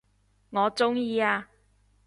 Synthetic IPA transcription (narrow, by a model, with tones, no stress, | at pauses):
ŋɔː˨˧t͡sʊ˥ŋjiː˧aː˧